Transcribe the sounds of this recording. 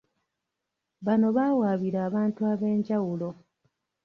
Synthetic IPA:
βano̞βaːwaːβiɾaːβaːntuaβe̞ːɲɟawulo̞

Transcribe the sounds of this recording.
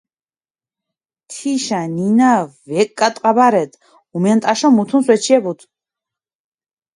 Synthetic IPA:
t̪ʰiʃaninavɛkʼːat̪ʼqʼabaɾɛt̪ | umɛnt̪ʼaʃɔmut̪ʰunswɛt͡ʃʰiɛbut̪ʰ

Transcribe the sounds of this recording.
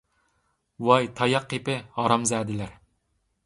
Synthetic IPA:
wɑjt̪ʰɑjɑqːepɪhɑɾɑmzɛːd̪ɪlæɾ

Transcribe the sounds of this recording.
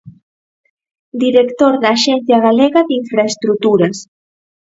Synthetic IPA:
d̪iɾekt̪oɾðaːʃɛnθjaɣaleɣaðiɱfɾaest̪ɾut̪uɾɐs

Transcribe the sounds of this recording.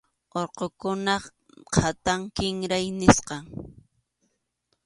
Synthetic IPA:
oɾqokʊnɑχ | qʰat̪aŋkɪŋɾajnɪsqɑŋ

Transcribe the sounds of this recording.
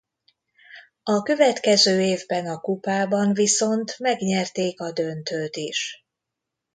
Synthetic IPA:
ɒkø̞vɛt̪kɛzøːeːvbɛnɒkupaːbɒɱviso̞nt̪mɛɡɲɛrt̪eːkɒd̪ø̞nt̪øːt̪iʃ

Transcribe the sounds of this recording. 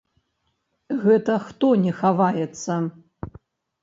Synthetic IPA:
ɣɛt̪ɐxt̪ɔnʲɛxavajɛt̪sːɐ

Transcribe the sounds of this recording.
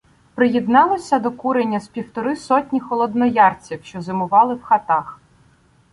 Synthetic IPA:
pɾɪjɛd̪nɑlˠɔsʲɐd̪ɔkuɾenʲːɐspʲiwt̪ɔɾɪsɔtʲnʲixɔlˠɔd̪nɔjɑrt͡sʲiwʃt͡ʃɔzɪmʊʋɑlˠɪwxɐt̪ɑx

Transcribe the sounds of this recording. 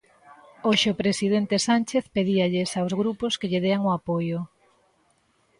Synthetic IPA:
oʃeʊpɾesið̞ent̪esanʲt͡ʃeθpeðiaʎesawzɣɾuposkeʎeðeaŋʊapojʊ

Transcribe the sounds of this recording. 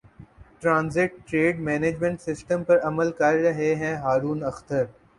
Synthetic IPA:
ʈɾãːnzɪʈʈɾeːɖmɛːneːd͡ʒmẽɳʈsɪsʈəmpɐɾɐməlkɐɾːɐɦeɦɛ̃ɦaːɾuːnɐxt̪əɾ

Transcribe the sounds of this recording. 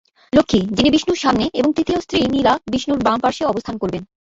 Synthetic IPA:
lokʰːid͡ʑinibiʃnuɾʃamneeboŋt̪ɾit̪iost̪ɾinilabiʃnuɾbampaɾʃeɔbost̪ʰankoɾben

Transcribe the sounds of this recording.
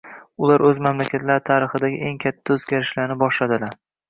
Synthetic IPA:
ʊlaɾɵzmamlakʲʰat̪ʰlaɾɪt̪ʰaɾɪχɨd̪aɡʲɪ̰ʔe̞ŋkʲʰat̪ʰːaɵzɡʲaɾɪʃlaɾnɪbɒʃlad̪ɪlaɾ

